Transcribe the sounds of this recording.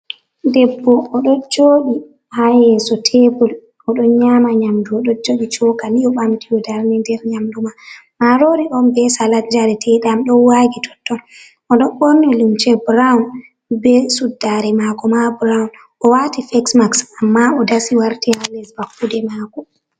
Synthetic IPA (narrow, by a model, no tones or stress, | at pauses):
dɛbːɔːɗɔd͡ʒoːɗi | hajɛsɔtʰɛbul | ʔɔɗɔnɲamaɲamduɔɗɔd͡ʒoɗit͡ʃɔkaliɔɓamtijɔdaɾnɛndɛɾɲamdumamaɾoɾiʔɔmbɛsalad͡ʒaɾɛtʰɛɗamɗɔnwaɡitʰɔ̥tːɔn | ɔɗɔnɓɔɾnɔlumt͡ʃɛbɾawun | bɛsudːaɾɛmakɔmabɾawn | ɔwatifɛksmaksamːaɔdasiwaɾtihalɛsbakːudɛmakɔ